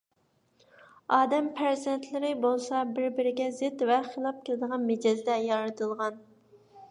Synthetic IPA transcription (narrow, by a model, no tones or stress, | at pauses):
ɑːd̪ɛmpʰæɾzɛnt̪ʰlɪɾɪbolˠsɑbɪɾbɪɾɪɡʲɛzɪt̪vɛχelˠɑp̚kʲelˠɨd̪əʁɑnmed͡ʒɑzd̪ɛjɑɾɨt̪ʰɨlˠʁɑn